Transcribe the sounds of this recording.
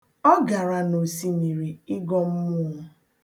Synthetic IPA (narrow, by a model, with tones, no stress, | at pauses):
ɔ˦ɡa˨ɾa˨no˨si˨ni˨ɾi˨i˦ɡɔ˦m̩˦mʊ˦˨˦